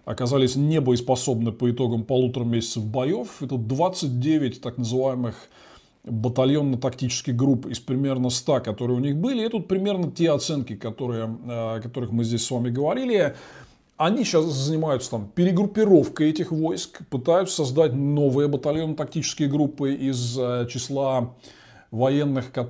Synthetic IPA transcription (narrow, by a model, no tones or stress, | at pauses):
ɐ̰kɐzalʲɪsʲnʲebəɪspɐso̞bnɨpəɪt̪o̞ɡəmpɐlˠut̪ɾəmʲesʲɪt̪səvbɐjo̞fɛt̪əd̪vat̪sːɨt̚ʲdʲevʲɪt̚ʲt̪aknəzɨvajɪmɨx | bət̪ɐlʲjo̞nːət̪ɐktʲit͡ɕɪ̥skʲɪɣɡɾupɪspɾʲɪmʲe̞rnəst̪akɐt̪o̞ɾɨjəʊnʲixbɨlʲɪɛt̪ut̪̚pɾʲɪmʲe̞rnətʲe̞ɐt̪sɛnkʲɪkɐt̪o̞ɾɨjəɐkɐt̪o̞ɾɨxmɨzʲdʲesʲsvamʲɪɡəvɐɾʲilʲɪ | ɐnʲiɕaszənʲɪmajʊt̪sə̥t̪ampʲɪɾʲɪɡɾʊpʲːɪɾo̞fkəjɛtʲɪxvo̞jskpɨt̪ajʊt̪sə̥sɐzd̪atʲno̞vɨjəbət̪ɐlʲjo̞nːət̪ɐk̚tʲit͡ɕɪ̥skʲɪjəɡɾupːɨʔɪzt͡ɕɪslˠa | vɐjenːɨxkɐ